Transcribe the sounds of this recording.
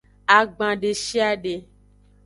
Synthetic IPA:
a˨ɡ͡bã˨ɖe˨ʃi˦a˦ɖe˨

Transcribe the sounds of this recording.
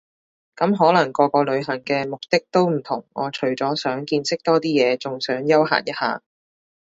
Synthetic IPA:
kɐ˨˥mɦɔː˨˥lɐ˨˩ŋkɔː˧kɔː˧lɵ˨˧ɥɦɐ˨˩ŋkɛː˧mʊ˨k̚t̪ɪ˥k̚t̪o˥wm̩˨˩t̪ʰʊ˨˩ŋʔɔ̰ː˨˧t͡ʃʰɵ˨˩ɥt͡sɔː˨˥sœː˨˥ŋkiː˧nsɪ˥k̚t̪ɔː˥t̪iː˥jɛː˨˧t͡sʊ˨ŋsœː˨˥ŋjɐ˥wɦa̰ː˨˩njɐ˥t̚ha̰ː˨

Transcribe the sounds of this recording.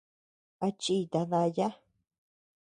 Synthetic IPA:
a˧t͡ʃi˧˨t̪a˧ða˧ja˦

